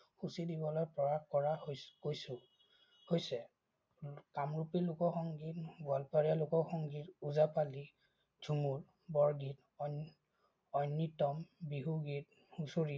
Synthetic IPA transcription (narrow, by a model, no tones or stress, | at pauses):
xusidibɔlojpɹɔɹaxkɔɹakojsʊ | hojsɛ | kamɹupilukɔxɔŋɡitbalpaɹijalʊkɔxɔŋɡituzapali | d͡ʒʱumul | bɔɹɡit | ɔjnːitɔmbiɦuɡit̚ | husoɹi